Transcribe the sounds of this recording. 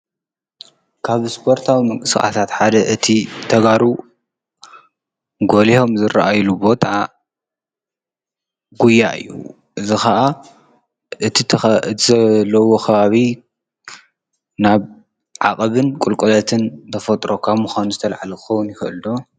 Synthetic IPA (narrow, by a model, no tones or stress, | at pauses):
kʰaβspʰo̞ɾt̪ʰawimɨŋkʼɨsxʼa̰t̪ʰat̪ħad̪ɐʔɨt̪ʰit̪ʰɐɡaɾu | ɡo̞liho̞mzɨɾaʔajlubo̞t̪ʰʼa | ɡujaʔɨ̰jːṵ | ʔɨzixɐʔa | ʔɨt̪ʰit̪ʰɨt̪ʰizɐlːɐwo̞kʰɐβaβi | naβ | ʕa̰kʼɐβɨnkʼulkʼulɐt̪ʰɨnt̪ʰɐfɐt̪ʼɾo̞kʰaβmuxanuzɨt̪ʰɐlʕalɐkɨxɐwʊnjɪxɨʔɨld̪o̞